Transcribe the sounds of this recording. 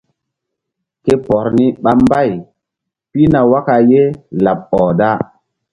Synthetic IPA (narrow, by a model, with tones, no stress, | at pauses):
ke˦pɔ˨ɾni˦ɓa˦mba˦˨j | pi˦na˨wa˦ka˨je˦la˨ɓ̚ɔː˨da˦